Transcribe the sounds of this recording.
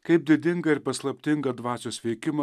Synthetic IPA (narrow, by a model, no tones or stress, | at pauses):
kɐɪp̚d̪ʲɪd̪ʲɪŋɡɐɪɾpɐslˠɐpʲt̪ʲɪŋɡɐd̪ʋɑːt͡ʃʲoːsʋʲɛɪkʲɪmɐ